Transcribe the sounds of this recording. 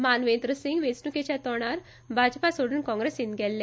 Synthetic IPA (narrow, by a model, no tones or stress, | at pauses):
maːnʋẽnd̪ɾəsĩŋɡʋesnuket͡ɕat̪ɔɽ̃aɾ | bʱad͡ʒpasoɽunkɔ̃ŋɡɾesinɡɛlːẽ